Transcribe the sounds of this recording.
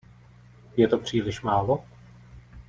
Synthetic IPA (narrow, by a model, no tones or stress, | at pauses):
jɛt̪opr̝̥iːlɪʃmaːlo